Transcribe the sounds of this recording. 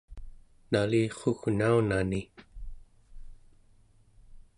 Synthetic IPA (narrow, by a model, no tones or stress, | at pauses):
naliːχoɣnaunani